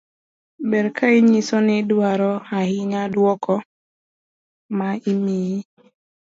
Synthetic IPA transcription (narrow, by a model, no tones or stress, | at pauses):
bɛɾkʰaiɲisɔnɛdwaɾɔahiɲadwɔkʰɔ | maimiji